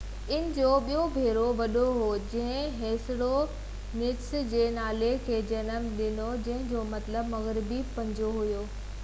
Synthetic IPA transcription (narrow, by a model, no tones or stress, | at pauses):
ɪnɪ̆d͡ʑoːɓijobʱeːɾoʋɐɗoɦod͡ʑɐ̃ɦɪ̃ɦeːsɪɽo | nɪksd͡ʑeːnaːlekʰeːd͡ʑɐnəmɗɪnod͡ʑɐ̃ɦɪ̃d͡ʑoːmɐt̪ləbmɐɣɾɪbipɐ̃ɲd͡ʑoɦʊjoː